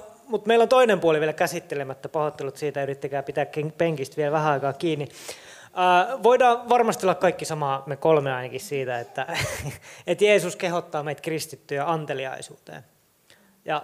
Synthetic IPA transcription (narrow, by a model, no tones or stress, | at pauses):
mut̪meilːont̪oinempuoliʋielkæsit̪ːelemæt̪ːæpɑhot̪ːelut̪siːt̪æyrit̪ːekæːpit̪æːkkeŋpeŋkist̪ʋielʋæhæɑikɑːkiːnːi | æːʋoidɑːʋɑrmɑst̪iolːɑkkɑikːisɑmɑːmekolmeɑinɑkissiːt̪æet̪ːæ | et̪jeːsuskehot̪ːɑːmeit̪krist̪it̪ːyjɑɑnt̪eliɑ̰isṵːt̪ḛːn | jɑ